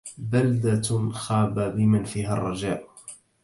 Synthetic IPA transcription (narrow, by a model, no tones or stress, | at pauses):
bald̪axaːbabɪmanfiːɦarˤːɑd͡ʒaːʔ